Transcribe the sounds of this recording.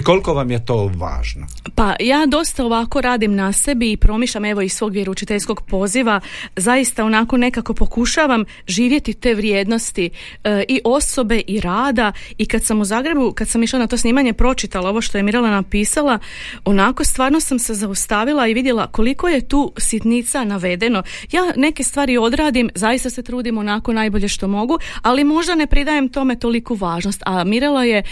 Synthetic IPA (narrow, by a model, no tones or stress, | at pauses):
ko̞likoʋamjet̪oːʋa̰ːʒno | pajaːd̪o̞st̪ao̞ʋako̞ɾaːd̪imnase̞biːpɾo̞miːʃʎame̞ʋo̞isʋo̞ːɡʋjeɾaut͡ʃit̪eʎsko̞ɡpo̞ziʋazajist̪ao̞nako̞ne̞kako̞po̞kuʃaʋam | ʒiːʋje̞t̪it̪e̞ːʋɾjeːd̪no̞st̪i | ʔiʔo̞so̞be̞ʔiɾaːd̪aikad̪samuzaːɡɾe̞bukad̪samiʃlˠanat̪osniːmaɲe̞pɾo̞t͡ʃit̪alˠao̞ʋoʃt̪o̞jemiɾelanapiːsalˠa | o̞nako̞st̪ʋaːɾno̞samse̞zaust̪aʋilˠaiʋid̪jelako̞liko̞je̞t̪uːsit̪nit̪sanaʋe̞d̪e̞no̞ | jaːne̞ke̞st̪ʋaːɾio̞d̪ɾaːd̪imzajist̪ase̞t̪ɾuːd̪imo̞nako̞naːjbo̞ʎe̞ʃt̪o̞mo̞ɡualimo̞ʒd̪ane̞pɾid̪aje̞mt̪o̞me̞t̪o̞likuʋaːʒno̞st̪amiɾelˠaje̞